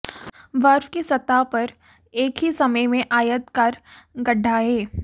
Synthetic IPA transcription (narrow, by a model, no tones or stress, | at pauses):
ʋɐɾfkisɐt̪ːapɐɾ | eːkɦisɐməjmẽʔaːjət̪kaɾɡɐɖʱːaɦɛː